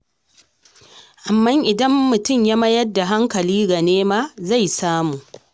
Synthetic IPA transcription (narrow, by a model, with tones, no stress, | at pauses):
ʔa˨mːɐ˦ŋʔɪ˨dɐ˦mːʊ˨tʊ˦˨mja˦mɐ˦jɐ˦rdːa˨ɦa˦ŋkɐ˨liː˦ɡɐ˨neː˦maː˦za˦˨jsaː˦muː˨ʔ